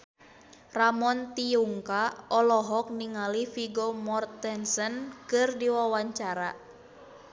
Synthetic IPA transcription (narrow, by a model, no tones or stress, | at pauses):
ramɔnt̪iuŋkaɔlɔɦɔk̚niŋalifiɡomɔrt̪ɛnsənkɨrdiwawaɲt͡ʃaɾa